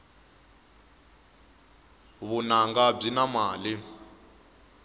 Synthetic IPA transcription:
βunaŋɡab͡ʐinamaːli

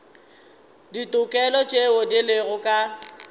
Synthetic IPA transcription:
ditʼʊkʼɛlɔt͡ʃʼeodilɪɣʊkʼa

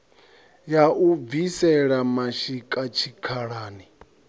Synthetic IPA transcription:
jaʔuvisɛɺamaʃikʼat͡ʃʰikʰaɺaːni

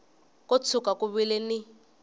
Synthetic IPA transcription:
kɔt͡sʰukakuβilɛnɪ

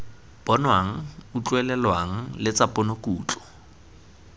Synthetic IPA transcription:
b̥ɔnwaŋ̩ut͡ɬʼwɛlɛlwaŋ̩lɪt͡sapʼɔnokuːt͡ɬʼɔ̥

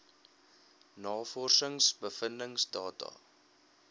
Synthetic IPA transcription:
nɑːfɔrsəŋsbəfəndəŋsdɑːtɑ̰

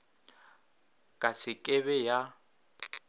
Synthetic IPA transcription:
kʼasɪkʼɛβɛja

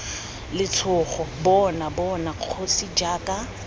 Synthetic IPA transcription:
lɪtʰʊːχɔbɔnabɔnaq͡χʰosid͡ʒaːkʼa

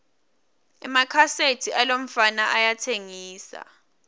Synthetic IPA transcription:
ɛmakʰasetʰialom̩fanaʔajatʰeŋiːsa̰

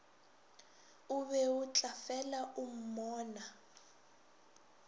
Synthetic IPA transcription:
uβɛut͡ɬʼafɛlaʔum̩mɔːna

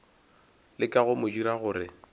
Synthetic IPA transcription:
lɪkʼaɣʊmʊdiɾaɣʊːɾɪ

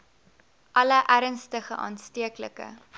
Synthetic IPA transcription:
ʔɐləʔæɾənstəχə̰ʔɑ̰ːnstiəkləkə̰

